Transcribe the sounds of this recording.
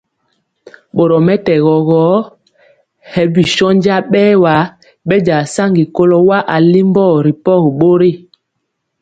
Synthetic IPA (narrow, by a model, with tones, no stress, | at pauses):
ɓo˨ɾɔ˨mɛ˦tɛ˨ɣɔ˨ɣɔ˨˦ | hɛ˨bi˨ʃɔ˦n˦d͡ʒa˦ɓɛː˦wa˨˦ | ɓɛ˦d͡ʒa˨sa˦ŋɡi˨ko˦lo˦wa˦ʔa˨li˦mbɔ˦˨ɾi˨pɔ˦ɣɓo˦ɾi˦˨